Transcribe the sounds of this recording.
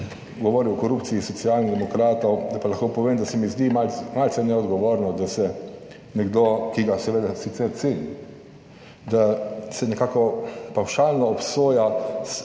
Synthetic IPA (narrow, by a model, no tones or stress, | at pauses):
ɡɔʋɔːɾiwɔkɔɾupt̪siisɔtsiaːlniɣd̪ɛmɔkɾaːt̪ɔwd̪apalaxkoːpɔʋeːmd̪asɛmizd̪imalmaltsɛnɛɔd̪ɡɔʋoːɾnɔd̪asɛ | nɛɡd̪okiɡasɛʋeːd̪asit̪sɛɾt̪seni | d̪asɛnɛkaːkɔpawʃaːlnɔːpsoːjas